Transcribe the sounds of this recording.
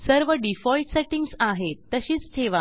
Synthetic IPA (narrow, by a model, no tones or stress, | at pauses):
səɾʋəɖifɔjʈseʈiŋɡsaɦet̪ːəɕiːt͡st̪ʰeʋa